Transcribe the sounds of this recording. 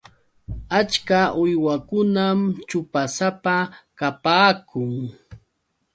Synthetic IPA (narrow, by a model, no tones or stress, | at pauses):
at͡ʃkaʔʊjwakʊnamt͡ʃʊpasapakapaːkʰʊŋ